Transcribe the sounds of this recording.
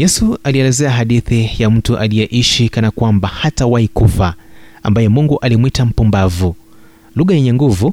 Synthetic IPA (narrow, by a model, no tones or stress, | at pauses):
jɛsualiɛlɛzɛaɦaɗiθijam̩tuʔalijɛʔiʃikanakwambahatawaikufaa̰mbajɛmuŋɡuʔalimwitam̩pumbavu | luɣajɛɲɛŋɡuvu